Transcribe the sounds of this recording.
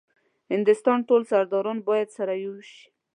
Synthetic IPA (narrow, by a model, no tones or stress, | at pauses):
hɪnd̪ʊst̪ɑnʈolsaɾd̪ɑɾɑnbɑjad̪saɾajoʃi̥